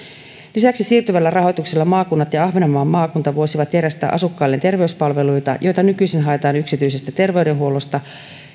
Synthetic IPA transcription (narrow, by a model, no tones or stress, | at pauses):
lisæksisiːrt̪yʋælːærɑɦo̞jt̪ukselːɑmɑːkunːɑt̪jɑɑhʋenomːɑːmːɑːkunt̪ɑʋuosiʋɑt̪jæɾæst̪æ̰ːʔɑsukːɑːlːe̞nt̪e̞rʋe̞yspɑlʋe̞lujt̪ɑ̰jʔo̞jt̪ɑnykyisinɦɑet̪ɑːnyksit̪yjse̞st̪æt̪e̞rʋe̞ude̞nɦuo̞lo̞st̪ɑ